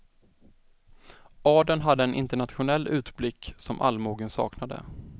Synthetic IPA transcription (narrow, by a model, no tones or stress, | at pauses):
ɑːɖənɦad̪ːəɛnʔɪ̰nt̪əɳat̪ɧʊnɛlːʉ̟ːt̪blɪkːsɔmʔa̰lːmuːɡənsɑ̰ːknad̪ə̰